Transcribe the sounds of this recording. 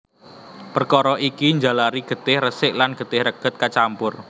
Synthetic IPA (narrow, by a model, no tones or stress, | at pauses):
pərkɔɾɔʔikiɲd͡ʒalaɾiɡ̥ə̤t̪ɪhrəsɪʔlanɡ̥ə̤t̪ɪhɾəɡ̥ə̤t̪̚kat͡ʃampʊr